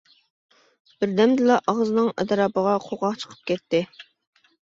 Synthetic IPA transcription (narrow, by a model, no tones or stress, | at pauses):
b̥ɪɾd̪ɛmd̪ɨlɑʔɑʁzɨnɨŋɛ̰d̪ɑɾɑːpəʁɑqʰoʁɑqt͡ʃʰə̥qʰə̥p̚kʲɛt̪ːɪ